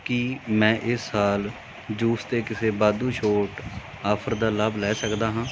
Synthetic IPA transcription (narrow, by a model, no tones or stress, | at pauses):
kimɛ̃ːʔɪsːaːl | d͡ʒuːst̪eːkɪseːbaːd̪ũːʃoːʈ | aːpʰəɾd̪aːləblɛːsəkd̪aːɦãː